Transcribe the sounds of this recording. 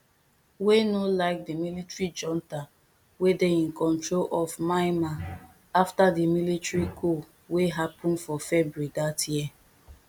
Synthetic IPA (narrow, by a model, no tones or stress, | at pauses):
wenolaɪk̚dimilitɹid͡ʒɔ̃nta | wedeĩnkɔ̃ntɹolʔɔvmaɪma | aftadimilitɹikʰo | weɦapʰɔ̃nfɔfɛbɹuidatʰjiɛ